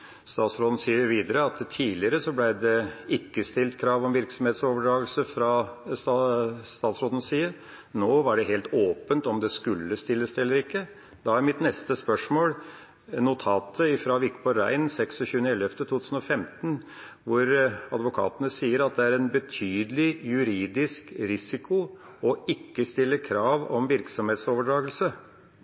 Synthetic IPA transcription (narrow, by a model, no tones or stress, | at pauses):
st̪ɑːt̪sɾoːd̪n̩siːəɾʋiːd̪əɾəɑt̪t̪ʰiːlɪəɾəsɔblæɪd̪ɛɪkːəst̪ɪlt̪kʰɾɑːʋɔmʋɪɾksɔmheːt̪soːʋəɖɾɑːɡlsəfɾɑsst̪ɑːt̪sɾoːd̪n̩siːə | noːʋɑɖɛɦeːlt̪oːpənt̪ɔmd̪ɛskʉlːəst̪ɪlːəsd̪ɛlːəɾɪkːə | d̪ɑːæɾmɪt̪nɛst̪əspœʂmoːl | nʊt̪ʰɑːt̪ʰəɪfɾɑːʋɪkbɔɾæ̰ɪnsɛksɔɕʉːənəɛlɛft̪ət̪ʰuːt̪ʰʉːsn̩ɔfɛmt̪n̩ | ʋʊɾɑd̪ʋʊkʰɑ̰ːt̪ənəsiːəɾɑt̪̚d̪ɛæɾɛnbət̪ʰyːd̪əlɪjʉɾiːd̪ɪskɾɪsɪkʊ | ɔɪkːəst̪ɪlːəkʰɾɑːʋɔ̰mʋɪɾksɔmheːt̪soːʋəɖɾɑːɡəlsə